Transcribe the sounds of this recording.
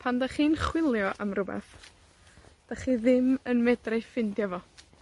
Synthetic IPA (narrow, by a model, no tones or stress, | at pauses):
pʰandaχiːnχwɪlˠjɔʔamrʊbɛ̰θ | d̥aχiðɪmənmɛdrajfɪndjavɔ